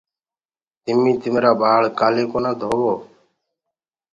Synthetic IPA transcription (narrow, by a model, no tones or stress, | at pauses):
t̪ɪmːĩːt̪ɪmeːɾaːbaːɭkaːleːkoːnãːd̪ʱoːʋoː